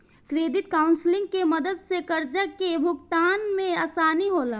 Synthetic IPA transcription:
kɾeːd̪ɪt̪kaʊnsɪlɪ̃ŋɡkeməd̪əd̪sekəɾd͡ʒəkebʱʊɡt̪aːnmẽaːsaːniɦoːlaː

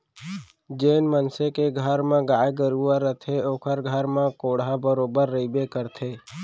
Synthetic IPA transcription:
d͡ʒeːnmənsekeɡʱəɾmãɡaːjeɡəɾuaɾət̪ʰeoːkʰəɾɡʱəɾmãkoːɽabəɾoːbəɾːəibekəɾt̪ʰeː

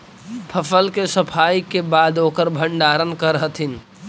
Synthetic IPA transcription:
pʰəpʰəlkesəpʰajkebad̪okəɾbʱəɳɖaɾənkəɾəɦt̪ʰin

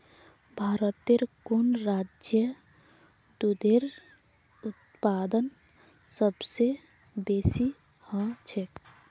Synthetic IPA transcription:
bʱaːɾət̪eɾkunɾaːd͡ʒjə | d̪ud̪eɾ | ʊt̪paːd̪ən | səbse | beːsi | hə̃t͡ʃʰek

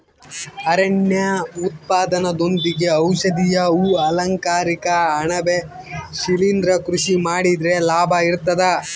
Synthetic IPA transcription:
ɐɾeɳjɐut̪̚paːd̪ɐnɐd̪o̞nd̪iɡe̞ɐwʃɐd̪ijɐuːɐlɐŋkaːɾikɐːɳɐbe | ʃilinɾɐkɾuʃimaːɽid̪ɾe̞laːbʱɐiɾt̪ɐd̪ɐ

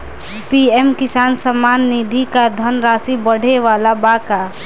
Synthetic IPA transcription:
piɛmkɪsansəmanːid̪ʱikad̪ʱənɾasibəɽ̤eʋalabaka

